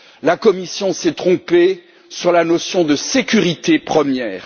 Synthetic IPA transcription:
lakɔmisjɔ̃sɛt̪χɔ̃pe | syʁlanɔsjɔ̃d̪əsekʲyʁit̪epχəmjɛːʁ

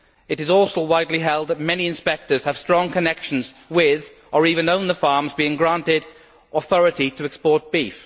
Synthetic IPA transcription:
ɨɾɨzɔlˠsoʊwaɪdˡliɦɛlˠd̪̚ðət̚mɛniɨ̃nspɛk̚tə˞z̥ɨv̥stɹ̥ɔ̃ŋkʰɨnɛkʃɨ̃n̩zwɪð | ʔə˞ivɨ̃nõʊ̃nðəfɑɹmzbiɪ̃ŋɡɹæ̃ntɪɾ | əθɔɹɨɾiɾɨɨkspɔɹt̚b̥if

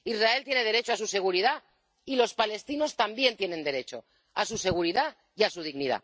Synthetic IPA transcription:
izrae̞lt̪je̞ne̞ð̞e̞ɾe̞t͡ʃoasuse̞ɣ̞uɾiða | ilo̞spale̞st̪ino̞st̪ambje̞nt̪je̞ne̞nd̪e̞ɾe̞t͡ʃo̞̰ | asuse̞ɣ̞uɾiða | iasuð̞iɣniða̰

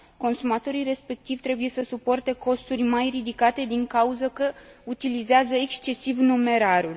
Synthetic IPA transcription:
ko̞nsumat̪o̞ɾijre̞spe̞k̚t̪ivt̪ɾe̞buje̞səsupo̞rt̪e̞ko̞st̪urʲmajrid̪ikat̪e̞d̪iŋkauzəkəut̪ilizeazəekst͡ʃe̞sivnume̞ɾaɾul

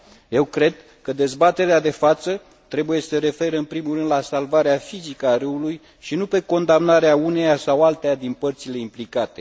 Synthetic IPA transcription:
je̞wkɾe̞d̪ | kəd̪e̞zbat̪e̞ɾead̪e̞fat̪sə | t̪ɾe̞buje̞səɾe̞fe̞ɾəɨnpɾimurɨnd̪lasalvaɾeafizikəaɾɨuluj | ʃinupe̞ko̞nd̪amnaɾeaune̞jasawalt̪ejad̪inpərt̪sile̞implikat̪e̞̥

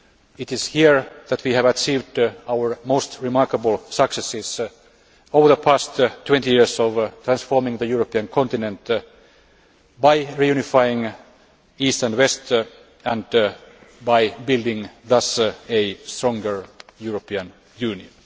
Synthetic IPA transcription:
ɪt̪ɪshiəɹðæt̪ʰwihævæt͡ʃiːvdawəɹmoʊst̪ɹimɑɹkəbəl̩ˠsʌksɛsɪs | oʊvəðəpʰæst̪t̪ʰːw̥ɛ̃nt̪ijiɹsɔʋt̪ʰɹæ̃nsfoːɹmɪ̃ŋðəjuɹopiə̃nkʰɔ̃nt̪ɪnɛ̃nt̪ | baɪɹijʉnifaɪɪ̃ŋ | iːst̪æ̃ndwest̪ | æ̃nd | baɪbɪldɪ̃ŋðʌsest̪ɹɔ̃ŋɡəɹjuɹopiə̃n | jʉːniə̃n

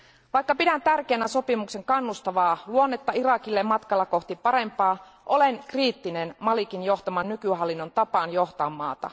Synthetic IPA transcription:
ʋɑjkːɑpidænt̪ærk̟eːnæso̞pimukse̞ŋkɑnːust̪ɑʋɑːluo̞nːe̞t̪ːɑirɑkilːemɑt̪kɑlːɑko̞ht̪ipɑɾe̞mpɑː | ʔo̞le̞ŋkriːt̪ːinenmɑlikinjo̞ht̪ɑmɑnːykyɦɑlːinːo̞nt̪ɑpɑnjo̞ht̪ɑmːɑ̰ːt̪ɑ̰

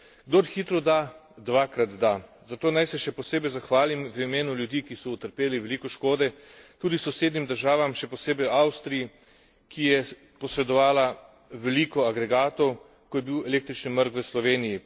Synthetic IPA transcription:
ɡd̪oɾxiːt̪ɾɔd̪a | d̪ʋaːkɾat̪d̪a | zat̪oːnajsɛʃɛpɔseːbɛjzaxʋaːlimʋəimeːnuljud̪iːkisɔut̪əɾpeːliʋɛliːkɔʃkoːd̪ɛt̪uːd̪isɔwseːd̪nimd̪əɾʒaːʋamʃɛpɔseːbɛjawst̪ɾiji | kʰijɛ | pɔsɾɛd̪ɔʋaːla | ʋɛliːkɔaɡɾɛɡaːt̪ɔw | kɔjɛbiwɛleːk̚t̪ɾit͡ʃniməɾkʋəslɔʋeːniji

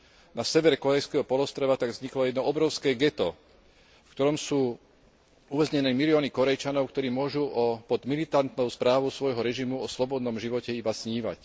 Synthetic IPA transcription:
nasɛʋɛɾkɔɾɛjskɛːɦɔpɔlɔst̪ɾɔʋat̪aɡvzɲiklɔjɛd̪nɔɔbɾɔʊskɛːɡɛt̪ɔ | fkt̪ɔɾɔmsuː | uʋɛzɲɛnɛːmiliɔːnikɔɾɛjt͡ʃanɔʊkt̪ɔɾiːmʊɔʒuʔɔpɔd̪milit̪ant̪nɔʊspɾaːʋɔʊsʋɔjɦɔɾɛʒimuɔslɔbɔd̪nɔmʒiʋɔcɛibasɲiːʋa̰c

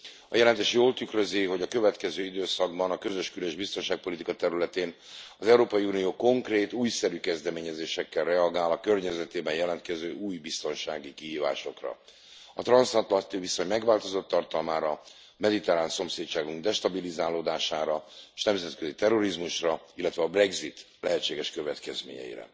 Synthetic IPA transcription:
ɒjɛlɛnt̪eːʃjoːlt̪ykrøziɦo̞ɟɒkø̞vɛt̪kɛzøːid̪øːsɒɡbɒnɒkø̞zøʃkyleʒbist̪o̞nʃaːk̚po̞lit̪ikɒt̪ɛɾylɛt̪eːn | ɒzɛuɾoːpɒjiuːnijoːko̞ŋkreːt̪uːjsɛɾykɛzd̪ɛmeːɲɛzeːʃɛkːɛlrɛɒɡaːlɒkø̞rɲɛzɛt̪eːbɛɲjɛlɛnt̪kɛzøːʔuːjbist̪o̞nʃaːɡikiɦiːva̰ːʃo̞̰krɒ̰ | ɒt̪rɒnsɒnt̪lɒnt̪iviso̞ɲmɛɡʋaːlt̪o̞zot̪ːɒrt̪ɒlmaːɾɒ | mɛd̪it̪ɛɾaːnso̞mseːtt͡ʃaːɡuŋɡd̪ɛʃt̪ɒbilizaːloːd̪aːʃaːɾɒeʃnɛmzɛt̪køzit̪ɛro̞ɾizmuʃrɒilːɛt̪ʋɛɒbrɛɡzit̪ | lɛɦɛtt͡ʃːeːɡɛʃkø̞vɛt̪kɛzmḛːɲɛ̰jḭɾɛ̰

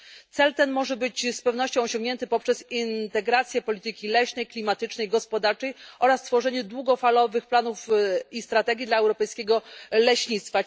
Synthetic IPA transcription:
t̪sɛlt̪ɛnmɔʐɛbɘt͡ɕspɛvn̪ɔɕt͡ɕɔ̃w̃ɔɕɔŋɡɲɛnt̪ɘpɔpʂɛsint̪ɛɡɾat̪sʲjɛpɔlʲit̪ɘkʲilɛɕnɛjklʲimat̪ɘt͡ʂnɛjɡɔspɔd̪aɾt͡ʂɛjʔɔɾast̪fɔʐɛɲɛd̪wuɡɔfalɔvɘxplanufist̪ɾat̪ɛɡʲid̪laɛwɾɔpɛjskʲeɡɔlɛɕɲit̪st̪fa

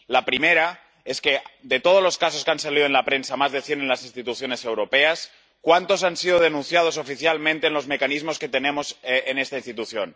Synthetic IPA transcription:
lapɾimeɾa | esked̪et̪oð̞ozloskasokeansaliðonlapɾensamazðeθje̞nenlasinst̪it̪uθjo̞ne̞se̞wɾopeas | kwant̪o̞sansið̞oðenũnθjað̞o̞s̬ofiθjalmẽnt̪eːnlo̞zme̞kanizmo̞ske̞t̪enemo̞senest̪ainst̪it̪uθjon

